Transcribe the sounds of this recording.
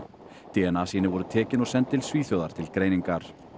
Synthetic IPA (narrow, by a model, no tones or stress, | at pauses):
t̪iɛnasiːnɪvɔɾʏt̪ʰɛːcɪnɔɣsɛnt̪ːɪlsviːθjœwðaɾ̥t̪ʰɪlkɾeːjniŋkaɾ̥